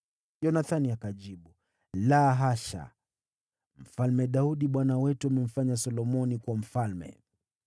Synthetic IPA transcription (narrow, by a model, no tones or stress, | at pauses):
ʄɔnaθaniakaʄiɓu | laɦaʃa̰ | m̩falmɛɗauɗiɓwanawɛtuamɛm̩faɲasɔlɔmɔnikwam̩falmɛ̰